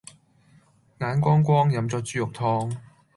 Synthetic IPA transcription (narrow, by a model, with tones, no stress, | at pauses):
ŋaː˨˥nkʷɔː˥ŋkʷɔː˥ŋjɐ˨˧˥mt͡sɔː˧k̚t͡syː˨˥jʊ˨k̚t̪ʰɔː˧ŋ